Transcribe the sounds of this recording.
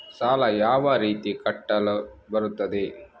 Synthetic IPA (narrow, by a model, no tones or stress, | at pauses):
saːlɐjaːʋɐɾiːt̪ikɐʈːɐlɐbɐɾut̪ːɐd̪e